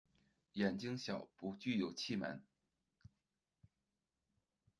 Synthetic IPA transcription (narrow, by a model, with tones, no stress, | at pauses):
jɛ˨˩nt͡ɕi˥ŋɕjɑ˨˩ʊpu˧˥t͡ɕy˥˩jo˨˩ʊt͡ɕʰi˥˩ma̰˧˥n